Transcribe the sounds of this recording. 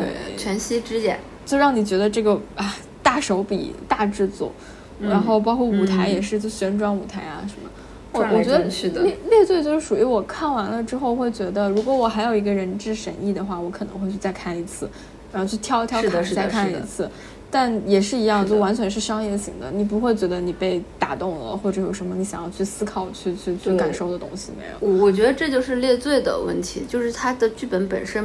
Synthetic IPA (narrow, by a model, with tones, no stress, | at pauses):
t̪wḛ˥˩ɪt͡ɕʰɥɛ˧˥nɕi˥ʈ͡ʂɻ̩˥jɛ̰˨˩˦n | t͡ɕjo˥˧ʊɻɑ˥˩ŋni˨˩t͡ɕɥɛ˧˥d̪ə˧ʈ͡ʂɤ˥˩ɡə˩a˧˩ | t̪a˥˩ʂo˧˥ʊpḭ˨˩t̪a˥˧ʈ͡ʂɻ̩˥˧t͡swɔ̰˥˩ | ɻa˧˥nxo˥˩ʊp̬ɑ˥ʊkʰwɔ˥˩u˨˩t̪ʰa˧˥ɪjɛ˨˩ʂ̬ɻ̩˥˧t͡ɕo˥˧ɕɥɛ˧˥nʈ͡ʂwɑ˥ŋu˨˩t̪ʰa˧˥ɪa̰˧ʂə˧˥nmə̰˧ | t͡ɕo˥˩wɔ˨˩t͡ɕɥɛ˧˥d̪ɛ˥˧ljɛ˥˧t͡swɪt͡ɕjʊʂɻ̩˥˩ʂu˨˩y˧˥wɔ˨˩kʰa˥˩nwa˧˥nlə˧ʈ͡ʂɻ̩˥xo˥˧ʊxwe˥˩ɪt͡ɕɥɛ˧˥d̪ə˧ɻu˧˥kwɔ˧˥wɔ˨˩xa˧˥ɪjo˨˩ʊi˧˥ɡə˧ɻə˧˥nʈ͡ʂɻ̩˥˧ʂə̰˧˥ni˥˩d̪ə˩xwa˥˩wɔ˧˥kʰɤ˨˩nɤ˧˥ŋxwe˧ɪt͡ɕʰy˥˧t͡sa˥˧ɪkʰa˥˩ni˧˥t͡sʰɹ̩˥˩˨ | t͡ɕʰy˥˩t̪ʰjɑ˥ʊt̪ʰjɑ˥ʊ˥ka˥˧kʰa˥nə˩ḭ˧˥t͡sʰɹ̩˥˩ | t̪a˥˩njɛ˨˩ʂɻ̩˥˩i˧˥jɑ˥˧ŋt͡ɕo˥˩ʊwa˧˥nt͡ɕʰɥɛ˧˥nʂ̬ɻ̩˥˧ʂɑ˥ŋjɛ˥˩ɕḭ˨˩ŋd̪ə̰˦ni˨˩p̬u˧˥xwe˥˩ɪt͡ɕɥɛ˧˥d̪ə˧ni˨˩pe˥˩ɪt̪a̰˨˩t̪ʊ˥˩ŋlə̰˩xwɔ˥˩ʈ͡ʂɤ˧˩jo˨˩ʊʂə˧˥mə˧ni˧˥ɕjɑ˨˩jɑ˥˧ʊt͡ɕʰy˥˩sɹ̩˥kʰɑ˨˩ʊt͡ɕʰy˥˧t͡ɕʰy˥˧t͡ɕʰy˥˩ka˨˩nʂo˥˩ʊd̪ə˩t̪ʊ̰˥ŋɕi˨mḛ˧˥ɪɻʊ̰˧˦˩wɔ˨˩t͡ɕɥɛ˧˥d̪ə˧ʈ͡ʂɤ˥˧t͡ɕjo˥˧ʊʂɻ̩˥˧ljɛ˥˧t͡swe˥˩ɪd̪ə̰˩wə̰˥˩nt̪ʰi˧˥t͡ɕjo˥˧ʊʂɻ̩˥˩t̪ʰa˥d̪ə˨t͡ɕy˥˩pə˧˥npə̰˨˩nʂə˥n